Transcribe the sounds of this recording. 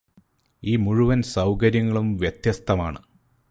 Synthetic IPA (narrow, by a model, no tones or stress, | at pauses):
iːmuɻuʋɐnsɐwkɐɾjɐŋːɐɭumʋjet̪jɐst̪ʰɐmaːɳɨ